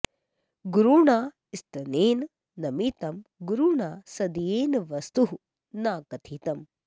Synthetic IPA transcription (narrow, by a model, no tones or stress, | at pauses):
ɡuɾuːɳaː | ist̪ɐneːn | nɐmit̪ɐmɡuɾuːɳaːsɐd̪ijeːnʋɐst̪uɦu | naːkɐt̪ʰiːt̪ɐm